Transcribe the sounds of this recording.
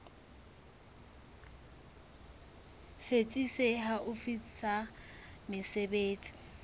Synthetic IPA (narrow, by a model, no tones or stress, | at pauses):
set͡sʼiseɦaʔʊfisamɪsebeːt͡sʼi̥